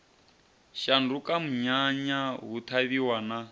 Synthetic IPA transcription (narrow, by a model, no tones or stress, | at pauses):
ʃandukam̩ɲaɲaɦut̪ʰaβiwana